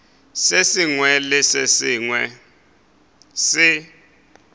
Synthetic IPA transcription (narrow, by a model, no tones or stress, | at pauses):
sesiŋwɛlɪsesɪŋwɛ | sɪ